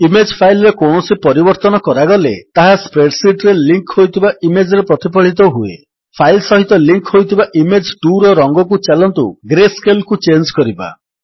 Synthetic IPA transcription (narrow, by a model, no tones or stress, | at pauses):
imed͡ʒpʰajlɔɾekowɳɔsipɔɾibɔɾt̪ɔnɔkɔɾaɡɔlet̪aɦaspɾeʈsiʈɾeliŋkhojt̪ʰibaʔimed͡ʒɾepɾɔt̪ipɔɭ̤it̪ɔɦuḛ | pʰajlsɔɦit̪ɔliŋkhojt̪ʰibaʔimed͡ʒduɾɔɾɔŋɡɔkut͡ʃalɔnt̪ṵɡɾeskelkut͡ʃend͡ʒkɔɾiba̰